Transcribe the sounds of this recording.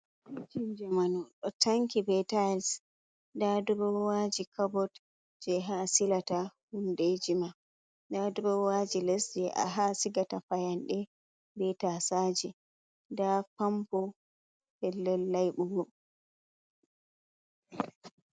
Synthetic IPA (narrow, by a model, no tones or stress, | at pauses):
id͡ʒind͡ʒɛmanɔɗɔtʰaŋkibɛtas | dadɔɾɔwad͡ʒikʰabɔt | d͡ʒɛɦasilatahunded͡ʒima | dadɔɾɔwad͡ʒilɛsd͡ʒɛʔa̰ɦasiɡatafajanɗɛ | bɛtasad͡ʒɛ | dapampɔ | hɛlːɛlːajɓuɡɔ